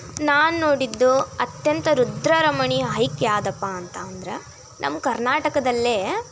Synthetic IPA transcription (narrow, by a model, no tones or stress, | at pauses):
naːnuno̞ːɽid̪ːuɐt̪jɐnt̪ɐɾud̪ɾɐɾɐmɐɳiɦɐjkjaːd̪ɐpːaɐnt̪ɐːnd̪ɐɾe | nʔɐ̰mːkɐɾnaːʈɐkɐd̪ɐlːe